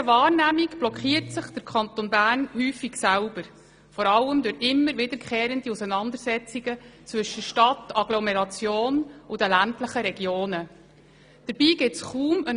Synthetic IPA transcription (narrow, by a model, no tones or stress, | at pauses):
əvɑːɾnæmikb̥lɔkχiːəɾtsəχd̪̥əɾkʰχɑnt̪onbæːɾnhyːfiksælb̥əɾ | fɔɾɑlːəmd̪ʊɾɪmːəɾʋɪdəɾkχɛːɾənd̪iusənɑnd̪əɾsɛt͡siɡ̥ət͡sʋɵʃəʃtɑt̪ɑɡlɔmɛɾɑt͡sjoːnʊd̪əlæntləχəɾɛɡjoːnə | d̥əɾb̥iːɡɪtsχuːmən